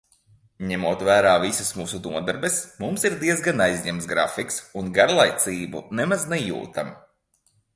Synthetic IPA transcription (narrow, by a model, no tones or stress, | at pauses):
ɲɛmuɔt̪væːɾaːvisasmuːsunuɔd̪ɛɾbɛsmumsiɾd̪iɛzɡanajzɲɛms̬ɡɾafiksunɡaɾlˠajt̪sʲiːbṵnɛmaznɛjṵːt̪am